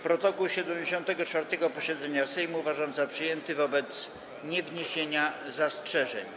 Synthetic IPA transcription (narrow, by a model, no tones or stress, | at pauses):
pɾɔt̪ɔkuwɕɛd̪ɛmd͡ʑeɕɔ̃nt̪ɛɡɔt͡ʂfaɾt̪ɛɡɔpɔɕɛd̪zɛɲasɛjmuvaʐamzapʂɘjɛnt̪ɘvɔbɛt̪s | ɲɛvɲeɕeɲazastʂɛʐɛ̰ɲ